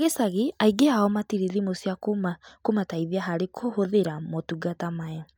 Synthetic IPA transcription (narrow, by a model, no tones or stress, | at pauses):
aɣesaɣeaiɡeaɔmatiɾeðimosjakomakomataiðiaɦaɾekʰohoðeɾamotuɡatamajɔ